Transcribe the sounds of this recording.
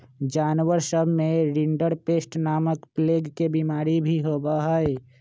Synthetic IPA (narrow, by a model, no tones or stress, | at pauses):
d͡ʒaːnwəɾsəbʱmẽɾiɳɖəɾpeːsʈnaːməkpleːɡkebimaːɾibʱiɦobəɦəe